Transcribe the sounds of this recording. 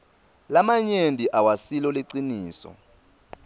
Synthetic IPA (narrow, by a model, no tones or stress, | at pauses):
lamaɲendʱʼiʔawasilɔleǀiniːsɔ̰